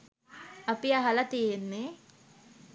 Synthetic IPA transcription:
ɐpiaɦɐlɐt̪ijenːe

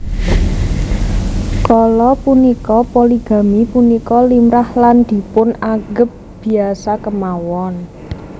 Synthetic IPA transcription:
kɔlɔpunikɔpoliɡ̥a̤mipunikɔlimɾahland̪̥i̤pʊnaɡ̥əp̚b̥i̤asakəmawɔn

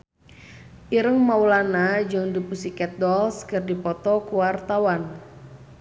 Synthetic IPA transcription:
ʔiɾəŋmaulanad͡ʒəŋdipusikɛt̪̚dɔlskərdipɔt̪ɔkuwart̪awan

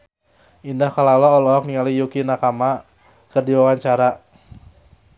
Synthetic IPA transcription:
ʔindahkalalɔɔlɔɔk̚niŋalijukinakama | kərdiwawaɲt͡ʃaɾa

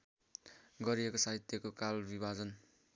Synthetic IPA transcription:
ɡʌɾiekosaɦit̪jʌkokalbibad͡zʌn

